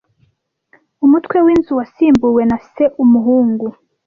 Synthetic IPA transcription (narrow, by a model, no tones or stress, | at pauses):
umutwe̞wiːnzuwasiːmbuwe̞nase̞ʔumuɦuːŋɡu